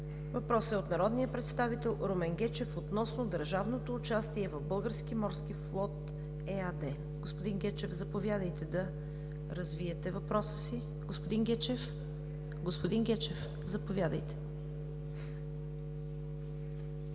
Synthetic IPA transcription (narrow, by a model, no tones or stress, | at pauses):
vɐpɾɔsəot̪nɐɾɔd̪nijəpɾɛt̪st̪avit̪ɛlˠɾomɛnɡʲɛt͡ʃɛfot̪nɔsnod̪əɾʒavnot̪oːt͡ʃast̪iɛvɐvbɤlˠɡəɾskimɔɾskiflˠɔt̪ | ɛad̪ɛ | ɡospod̪inɡʲɛt͡ʃɛvzɐpovjad̪əjt̪ɛd̪ɐ | ɾɐzviɛt̪ɛvɐpɾɔsə̥si | ɡospod̪inɡʲɛt͡ʃɛf | ɡospod̪inɡʲɛt͡ʃɛf | zɐpovʲjad̪əjt̪ɛ̥